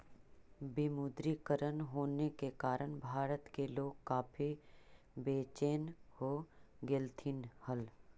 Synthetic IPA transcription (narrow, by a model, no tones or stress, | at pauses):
bimud̪ɾikəɾənɦoːnekekaːɾəɽbʱaːɾət̪keloːɡkaːpʰi | beːt͡ʃeːnhoːɡelt̪ʰinhəl